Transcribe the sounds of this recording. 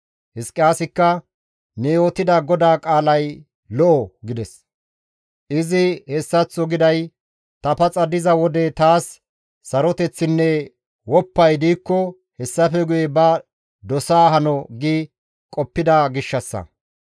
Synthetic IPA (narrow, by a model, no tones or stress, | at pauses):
hɪskʼːɪjaːsɪkːɐ | nɛjoːt̪ɪd̪ɐɡɔd̪aːkʼaːlɐj | lɔʔɔɡɪd̪ɛs | ʔɪzɪhɛsːɐt͡sːɔɡɪd̪ɐj | t̪ɐpɐt͡sʼɐd̪ɪzɐwɔd̪ɛt̪aːsː | ɐɾɔt̪ɛt͡sːɪnːɛ | wɔpːɐjd̪iːkːɔ | hɛsːɐfɛɡʊjɛbɐ | d̪ɔsaːɦɐnɔɡi | kʼɔpːɪd̪aɡɪʃːɐsːɐ̰